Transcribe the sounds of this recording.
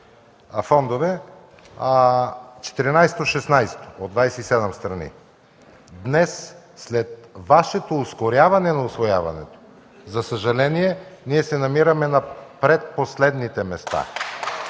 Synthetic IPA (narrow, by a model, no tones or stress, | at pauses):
fɔnd̪ovɛ | t͡ʃɛ̥t̪iɾinajsɛt̪oʃɛsnajst̪od̪vajsɛisɛd̪ɛmst̪ɾɐnḭ | d̪nɛs | sːlɛt̪̚vaʃɛt̪oːskoɾʲjavɐnɛnɐʊsvoja̰vɐ̰nɛ̰t̪o̥ | zɐsəʒɐlɛniɛniɛsɛnɐmiɾɐmɛnɐpɾɛt̪̚poslɛd̪nit̪ɛmɛst̪a̰